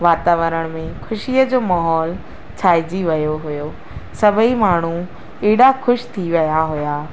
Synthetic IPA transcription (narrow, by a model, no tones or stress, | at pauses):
ʋaːt̪aːʋəɾəɽ̃mẽkʰʊʃiəd͡ʑoːmaːɦɔːl | t͡ɕʰaːid͡ʑiʋɐjoɦʊjo | sɐbʱimaːɳ̤ũ | iːɽaxʰʊʃt̪ʰiʋɐjaɦʊjaː